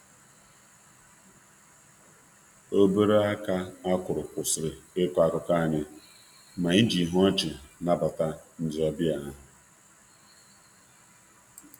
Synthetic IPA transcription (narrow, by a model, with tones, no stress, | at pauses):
o˦be˦ɾe˦a˦ka˦a˦kʷʊ˨ɾʊ˨kʷʊ˨sɾɪ˨ɪ˦kʷa˦kʊ˨ka˦˨ɲɪ˦ | ma˨ɪ˦d͡ʒi˨ɦɔ˦t͡ʃɪ˨na˦ba˨ta˦n̩˦d͡ʒɪ˨ɔ˦bɪ˦a˨a˦ɦʊ˨